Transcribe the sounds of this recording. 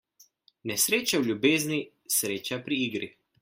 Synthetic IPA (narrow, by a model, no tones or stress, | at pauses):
nɛsɾeːt͡ʃawlʲjubeːzni | sɾeːt͡ʃapɾiiːɡɾi